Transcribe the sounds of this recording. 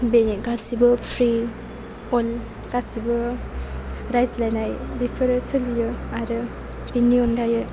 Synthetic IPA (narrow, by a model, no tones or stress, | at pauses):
beniɡasibɯpʰɾi | ɔl | ɡ̥asibɯ | ɾajzlajnajbipʰɯɾɯsɯlijɯaɾɯ | biniɔnɡajɯ